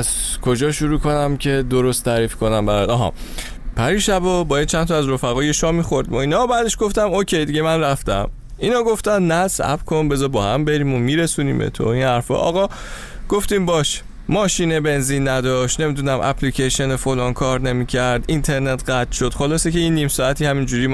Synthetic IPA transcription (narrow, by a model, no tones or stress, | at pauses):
æz̥kʰod͡ʒɒːʃuɾuːkʰo̞næmcʰe̞d̪o̞ɾo̞st̪ʰːæːɾiːfkʰo̞næmbæɾɒd̪ɒːɦɒ̰ | pʰæɾiʃæbobɒːjæd̪̚t͡ʃʰænt̪ʰɒæzɾofæɣɒːje̞ʃɒːmixo̞ɾd̪moiːnɒbæːd̪eʃɡo̞ft̪æmocʰe̞jd̪iɡɟe̞mænræft̪æ̰m | inɒːɡo̞ft̪ænnæsæ̰pkʰonbe̞zɒːbɒːhæmbe̞ɾiːmomiɾesunḭːmbḛt̪ʰo̰inhæɾfɒ̰ʔɒ̰ɣɒː | ɡ̥oft̪iːmbɒːʃ | mɒːʃiːnebe̞nziːnːæd̪ɒːʃt̪ne̞miːd̪unæmʔæ̰pʰlicʰeʃenefolɒːnkʰɒːɾne̞miːcʰæɾd̪int̪ʰe̞ɾnet̪ʰɢæt̪ʃod̪xolɒːsecʰeiːnːiːmsɒːæt̪ʰiːhæmind͡ʒuːɾiː